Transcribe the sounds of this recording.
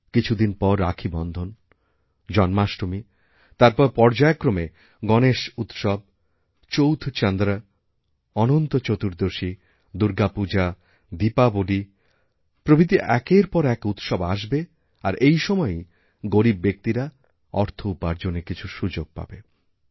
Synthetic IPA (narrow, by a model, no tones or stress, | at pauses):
kit͡ɕʰud̪inpɔɾːakʰibɔnd̪ʱon | d͡ʑɔnmaʃɾomi | t̪aɾpɔɾpɔɾd͡ʑaekɾome | ɡɔneʃut̪ʃɔb̚ | t͡ɕowt̪ʰt͡ɕand̪ɾa | ɔnont̪ot͡ɕot̪uɾd̪oʃi | d̪uɾɡapud͡ʑa | d̪ipaboɖi | pɾobʱid̪iʔɛkeɾpɔɾɛkut̪ʃɔbaʃbe | aɾʔejʃɔmɔe | ɡoɾibːek̚t̪iɾa | ɔ̰ɾt̪ʰoupaɾd͡ʑonːekit͡ɕʰuʃud͡ʑoɡ̚pa̰be